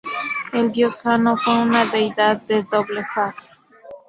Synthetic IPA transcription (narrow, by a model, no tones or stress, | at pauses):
eld̪joskanokounaðejðaðːeðoβlefase̥